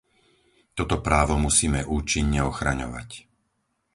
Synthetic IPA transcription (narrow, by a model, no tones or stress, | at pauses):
t̪ɔt̪ɔpɾaːʋɔmusiːmɛʔuːt͡ʃiɲːɛɔxɾa̰ɲɔ̰ʋa̰c